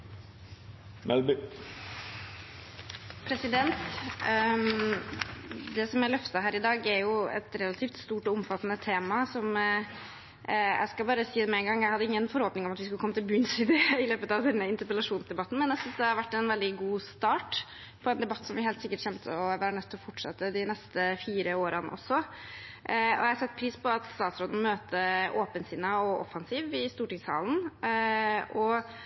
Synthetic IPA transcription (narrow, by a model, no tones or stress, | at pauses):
mʔɛlb | pʰɾɛsɪd̪ɛnt̪ | d̪ɛsɔmæɭœft̪ɑɦæːɾɪd̪ɑːɡæɾjʊɛ̰t̪ɾɛlɑt̪ʰɪft̪st̪uːʈɔʊmfɑt̪ːənət̪ʰeːmɑsɔm | jæ̰ɪskɑlbɑːɾəsiːd̪ɛmɛɛŋɡɑŋːjæɪhɑd̪ːəɪŋːənfɔɾhoːpnɪŋɔmɑt̪ʋɪskʉləkɔmːət̪ʰɪlbʉːnsɪd̪eːɪløːpət̪ɑʋd̪ɛnːəɪnt̪əɾpəlɑʂuːnsd̪ɛbɑt̪ːn̩mɛnjæsʏnsd̪ɛhɑɾʋæʈːɛnʋɛld̪ɪɡuːst̪ɑːʈ | pʰɔɛnd̪ɛbɑt̪ːsɔmʋɪhɛːlt̪sɪkːəʈçɛmt̪ʰə̰ɔʋæːɾəɳœt̪ʰːɔfɔʈʂɛ̰t̪ːəd̪ɪnɛst̪əfiːɾəoːɾənə̰ʔɔsɔ | ɔ̰jæhɑɾsɑt̪ːpʰɾiːspɔɑt̪st̪ɑːt̪sɾoːd̪n̩møːt̪ʰəʔoːpənsɪnəɔɔfɑnsiːʋɪst̪uːʈɪŋshɑ̰ːlən | ɔ